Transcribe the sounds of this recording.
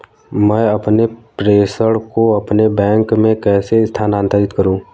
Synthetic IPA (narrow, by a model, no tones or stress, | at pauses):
mɛ̃ːɐpnepɾeːsəɽkoɐpnebɛ̃ːŋkmẽkɛːseɪst̪ʰaːnaːnt̪əɾɪt̪kəɾũː